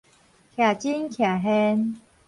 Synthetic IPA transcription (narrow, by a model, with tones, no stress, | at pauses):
kʰja˨˩t͡ɕi˦nkʰja˨ɦɛ˦n